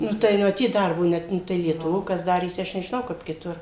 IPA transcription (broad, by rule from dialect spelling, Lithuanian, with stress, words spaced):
ˈnʊ tɐɪ mɐˈtʲiːt ˈdɐrboː ˈnʲɛt ˈnʊ tɐɪ lʲiɛtʊˈʋoː ˈkɐs ˈdɑːrʲeːsʲɪ ˈɐʃ nʲɛʒʲɪˈnɐʊ ˈkɐp kʲɪˈtʊr